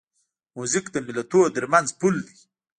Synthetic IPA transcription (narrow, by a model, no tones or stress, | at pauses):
muzikd̪əmɪlat̪od̪əɾmanzpuld̪i